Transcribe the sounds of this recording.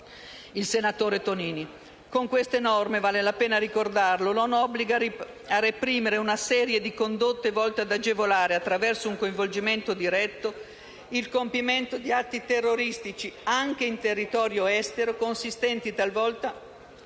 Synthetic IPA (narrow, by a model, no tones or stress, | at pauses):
ilsenat̪oːɾet̪oniːni | koŋkwest̪enɔrmevaːlelapeːnaɾikord̪arlononɔbːliɡa | arːepɾiːmeɾeunasɛːɾjed̪ikond̪ot̪ːevɔlt̪ead̪ad͡ʒevolaːɾeat̪ːɾavɛrsouŋkoiɱvold͡ʒiment̪od̪iɾɛt̪ːo | ilkompiment̪od̪iat̪ːit̪erːoɾist̪it͡ʃiaŋk̟eint̪erːit̪ɔːɾjoɛst̪eɾokonsist̪ɛnt̪it̪alvɔlt̪a